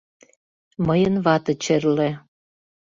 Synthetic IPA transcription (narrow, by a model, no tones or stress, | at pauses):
məjə̆nβɑt̪ɤ̆t͡ɕerlĕ